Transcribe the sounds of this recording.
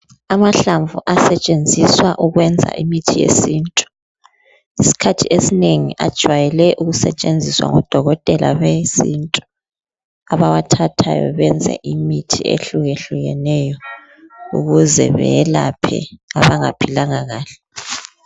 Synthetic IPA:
amaɬaɱvuʔasɛt͡ʃʼend͡zʱiswaʔuɣwɛnd͡zʱa̰ʔimitʰijḛsiːntʼu̥ | isi̥kʰatʰiʔesineŋiʔad̥ʒ̥ʱwajɛlɛʔuɣusɛt͡ʃʼend͡zʱiswa̰ŋɔd̥ʱɔɣɔtʼɛlʔa̰βesintʼu̥ | aβawatʰatʰa̰jɔ̰βɛnd͡zʱɛ̰ʔimitʰiḛɬuɣeɬuɣɛnɛjɔ | uɣuzɛ̰βɛ̰jɛlapʰɛ̰aβaŋa̰pʰilaŋaɣaːɬɛ̥

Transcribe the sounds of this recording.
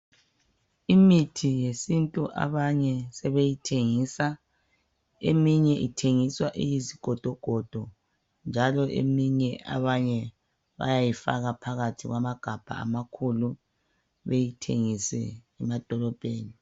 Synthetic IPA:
imitʰijesintʼuʔa̰βaɲɛsɛβejitʰeŋiːsa | ḛmiɲɛʔitʰeŋiswaʔijiziɡ̥ʱɔd̥ʱɔɡ̥ʱɔd̥ʱɔ | nd͡ʒʱalɔʔḛmiɲɛʔa̰βaɲɛ | βa̰jajifa̰ɣapʰaɣatʰiɣwamaɡ̥ʱab̥ʱa̰a̰makʰulu | βejitʰeŋisɛ̰ | ɛmad̥ʱɔlɔpʼeːni

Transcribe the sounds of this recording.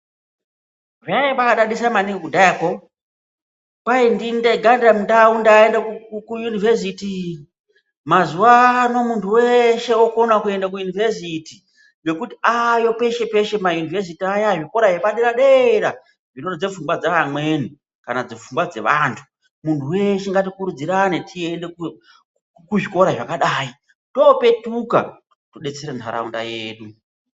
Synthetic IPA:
rajeɓakaɗaɗisamaniŋɡkudaeko | paindindeɡandamndaundaendakkujunives̬iti | mazuano̞muntʰuweʃe̞okonakue̞ndak̬ujunivesiti | je̞kutiajo̞pe̞ʃe̞pe̞ʃe̞majunives̬itiajaʐiko̞ɾajeɓaɗiɾaɗeeɾa | ʐinod͡zefuŋbwad͡zaːmwe̞ːni | kanad͡zefumbwad͡ze̞̰ʋaːntʰu̥ | muntʰuwe̞ʃeŋɡat̬ikuɾud͡ziɾanetʰiendek | kuʐiko̞ɾaʐakaɗaːi | to̞pe̞tuka̰ | toɗe̞t͡seɾentʰaɾa̰unda̰jeːɗu

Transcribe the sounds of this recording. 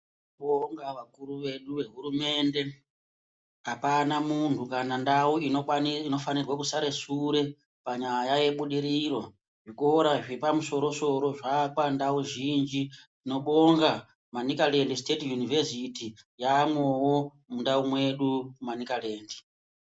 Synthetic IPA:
ɓoŋɡaʋakuɾuʋe̞ɗuʋe̞ɦuɾume̞nde̞ | apanamuntʰukanandauinoino̞fanirwakusaɾe̞suɾe̞ | paɲajaje̞ɓuɗiɾiro̞ | ʐikoːɾaʐepamuso̞ɾo̞so̞ɾo̞ʐakwandauʒind͡ʒi | ino̞ɓo̞ŋɡa | manikalendisi̥tetijunivesitijamwo̞wo̞ | mundaumwe̞ɗumanikaleːndi

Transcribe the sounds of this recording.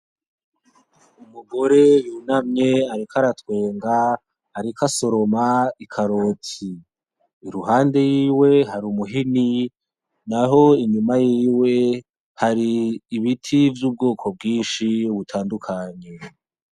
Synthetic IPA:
umuɡo̞ɾe̞junamɲe̞aɾikʰaɾatwe̞ːŋɡaː | ɾikʰaso̞ɾo̞maikʰaɾotiː | ɾuɦaːnde̞jiːwe̞ɦaɾumuɦini | naɦo̞iɲumajiːwe̞ | haɾiːβitʰivjuːb̚ɡoːkʰo̞b̚ɡiːnʃiβutʰaːndukʰaɲe̞

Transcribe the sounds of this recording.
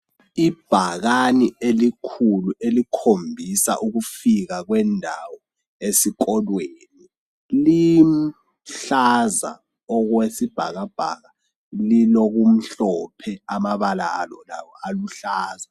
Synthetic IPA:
ib̥ʱaɣanielikʰuluʔelikʰombʱisa̰ʔuɣufiɣ̬aɣwɛndʱawɔ | esik̬ɔlweni | lim̩ | ɬaza̰ | ɔkwesib̥ʱa̰ɣab̥ʱa̰ɣa | lilok̬um̩ɬɔpʰɛamaβalalɔlawɔaluɬaːza

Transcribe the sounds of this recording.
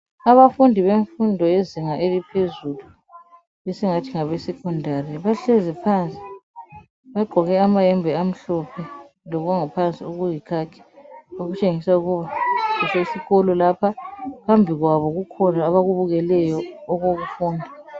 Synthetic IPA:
aβafundʱiβeɱfundʱɔeziŋaʔelipʰezulu | esiŋatʰiŋaβɛsɛkʰundʱarɛβaɬɛzɛpʰant͡sʼi̥ | βaɡ͡ǃʱɔɣɛamajɛmbʱɛam̩ɬɔpʰɛ | lɔɣaŋapʰant͡sʼiuɣujikʰakʰɛ̥oɣut͡ʃʼeŋisauɣuβaɣuseisiɣɔlɔlapʰakʰambʱiɣwaβɔɣukʰɔnaːβaɣuβuɣɛlɛjɔɔɣoɣufuːndʱa

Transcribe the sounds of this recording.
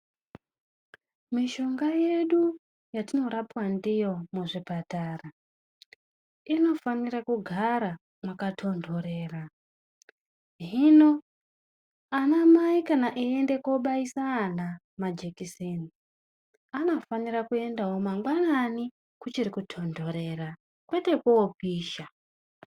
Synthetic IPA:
miʃo̞ŋɡaje̞ɗu | jatino̞ɾapwandijo̞muʐipataːra | ino̞fanirakuɡʱaɾa | makatʰo̞ndʱo̞ɾeːra | ɦino̞ | anamaikanaʔiende̞ko̞ɓaisaːna | mad͡ʒekisini | anofaniɾakue̞ndaɦomaŋɡwanani | kut͡ʃirikutʰo̞ndʱo̞ɾe̞ra | kwe̞te̞kuopiːʃa

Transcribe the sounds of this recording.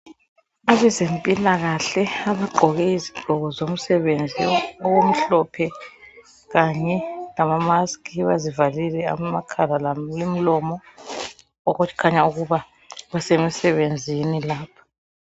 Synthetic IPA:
aβɛzempʼilaɣaɬɛaβaǃʱɔɣɛiziɡ͡ǃ̥ʱɔɣɔzom̩sɛβend͡zʱiɔɣom̩ɬɔpʰɛ | ɣaɲɛlamamaskʰʼiβazivalilɛa̰makʰalalalem̩lɔmɔ | ɔɣut͡ʃʰi̥kʰaɲauɣuβa | ɣwɛsemisɛβend͡zʱinilaːpʰḁ

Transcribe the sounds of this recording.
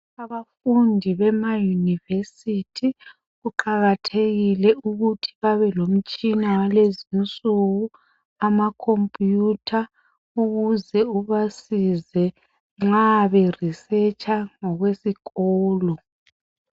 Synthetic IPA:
aβafundʱiβɛmajunivesitʰi | ɣuǃaɣatʰeɣilɛuɣutʰi̥βaβɛlom̩t͡ʃʼinawalezint͡sʼuɣu | amakʰompʼjutʰa | uɣuzɛuβasizɛ | ŋ͡ǁaβɛrisɛt͡ʃʼaŋɔɣwesiɣɔːlɔ

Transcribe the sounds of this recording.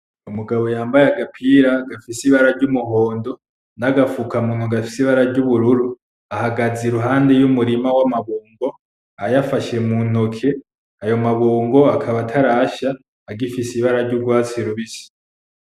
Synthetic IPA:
umuɡaβo̞jaːmbajeaɡapʰiɾaɡafisiβaɾaɾɟumuɦo̞ːndo̞ | naɡafukamuːnuɡafisiβaɾaɾɟuβuɾuɾu | ahaɡazeɾuɦaːnde̞jumuɾimawamaβuːŋɡo̞ | ajafaʃe̞mun̥okʰe̞ | ajo̞maβuːŋɡo̞akʰaβatʰaɾaʃaː | ɡifisiβaɾaɾɟub̚ɡwaːt͡siɾuβisi̥

